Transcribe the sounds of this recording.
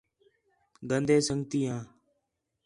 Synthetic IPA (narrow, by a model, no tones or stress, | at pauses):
ɡənd̪eːsəŋɡt̪iːɦãː